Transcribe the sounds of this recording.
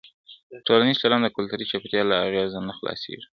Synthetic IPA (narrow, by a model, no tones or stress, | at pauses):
ʈolaniz̥t͡ʃalɑnd̪əkʊlt̪aɾit͡ʃapt̪jɑlaːɣjɑzanaxlɑ̰sḛʒi̥